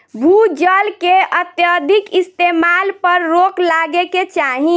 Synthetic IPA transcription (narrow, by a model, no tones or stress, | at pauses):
bʱud͡ʒəlkeət̪jəd̪ʱikist̪emalpəɾːoklaɡeket͡ʃaɦi